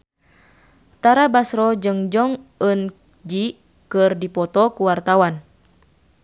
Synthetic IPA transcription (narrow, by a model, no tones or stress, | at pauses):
t̪aɾabasɾɔd͡ʒɨŋd͡ʒɔŋən | d͡ʒi | kərdipɔt̪ɔkuwart̪awan